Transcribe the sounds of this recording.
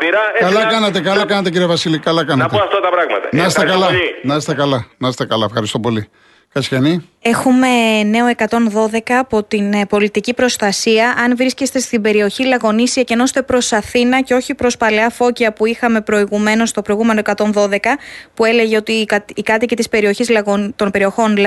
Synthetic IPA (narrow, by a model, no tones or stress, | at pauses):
piɾkɐllɐkkɐnɐt̪ekɐlɐkɐnɐt̪eciɾiɐvɐsilikɐlɐkɐnɐt̪oɐft̪ɐt̪ɐpɾɐɣmɐ̰t̪ɐ̰nɐst̪ekɐlɐnɐst̪ekɐlɐnɐst̪ekɐlɐefxɐɾist̪o̞po̞li | kɐt͡sçɐni | e̞xume̞ne̞o̞e̞kɐt̪o̞nðo̞ðe̞kɐːpo̞t̪inpo̞lit̪icipɾo̞st̪ɐsiɐʔɐnvɾisce̞st̪e̞st̪ibe̞ɾio̞çilɐɣo̞nisiɐce̞no̞st̪e̞pɾo̞sɐθinɐceo̞çipɾo̞spɐleɐfo̞ciɐpuixɐme̞pɾo̞iɣume̞no̞st̪o̞pɾo̞iɣume̞no̞e̞kɐt̪o̞nðo̞ðe̞kɐpue̞le̞ʝe̞o̞t̪ikɐːkɐt̪icet̪ispe̞ɾio̞çizlɐɣont̪o̞npe̞ɾio̞xo̞nl